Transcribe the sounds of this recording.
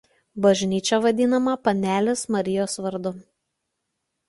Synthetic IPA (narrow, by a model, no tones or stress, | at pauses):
bɐʒʲnʲiːt͡ʃʲoʋɐd̪ʲɪnɐmɐpɐnʲæːlʲɪsmɐɾʲɪjoːsʋɐɾd̪ʊ